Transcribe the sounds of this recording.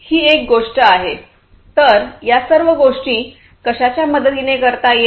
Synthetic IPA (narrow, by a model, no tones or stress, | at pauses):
hiːek̚ɡoʂʈəaɦe | t̪əɾjasəɾʋəɡoʂʈĩː | kəɕat͡ɕjaməd̪ət̪inekəɾt̪aje